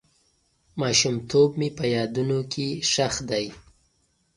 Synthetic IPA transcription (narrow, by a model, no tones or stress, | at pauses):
mɑʃumt̪ob̚mepəjɑd̪unokʰeʂaxd̪aj